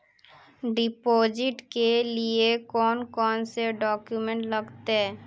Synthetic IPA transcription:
ɖipod͡ʒiʈkeliekɔnkɔnseɖɔkjumeɳʈləɡt̪e

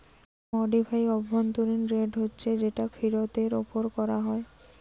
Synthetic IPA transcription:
ɔɖibʱajɔbʱːɔnt̪uɾinɾeɖɦotːɕʰed͡ʑeʈafʰiɾot̪eɾo̰poɾkɔɾaɦɔe

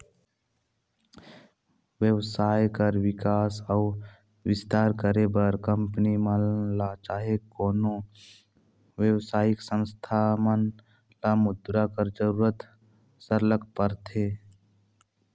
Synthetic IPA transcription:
ʋjəwsaːjkəɾwɪkaːsəʊ | wɪst̪aːɾkəɾebəɾkə̃mpənimalat͡ʃaːɦekoːno | wjəwsaːɪksə̃nst̪ʰamən | lamʊd̪ɾakəɾd͡ʒəɾuːɾət̪ | səɾləɡpəɾt̪eː

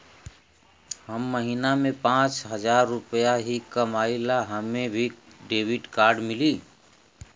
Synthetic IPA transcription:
həmːəɦiːnamẽpãːt͡ʃɦəd͡ʒaːɾːʊpəjaɦikəmaːɪlaɦəmẽbʱiɖeːwɪɖkaːɾɖmɪliː

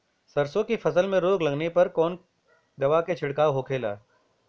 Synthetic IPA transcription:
sɐɾsõkifʰɐsəlmẽɾoːɡlɐɡnepɐɾkɔːn | d̪ɐʋaket͡ʃʰɪɽkaːʋɦokʰeːla̰ː

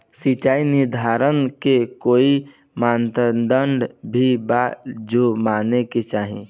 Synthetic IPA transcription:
sit͡ʃaːinɪɾd̪ʱaːɾənkekoːi | maːnt̪əd̪əɳɖbʱibaːt̪d͡ʒomaːneket͡ʃaːɦĩ

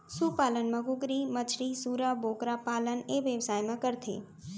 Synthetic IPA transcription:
supalənmə̃ɡuɡɾimət͡ʃʰɾisuɾabokɾapaləneʋjəʋsajmãkəɾt̪ʰḛ

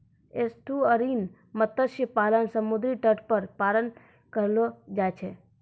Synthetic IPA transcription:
est̪ʰuəɾin | mət̪əʃjəpalənsəmud̪ɾiʈəʈpəɾpalən | kəɾlod͡ʒajt͡ʃʰe

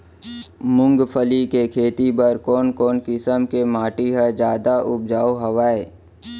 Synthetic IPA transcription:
mʊ̃ŋɡpʰəlikekʰeːt̪ibəɾkɔːnkɔːnkɪsəmkemaːʈiɦəd͡ʒjaːd̪aʔʊb̚d͡ʒaːoɦəʋaːe

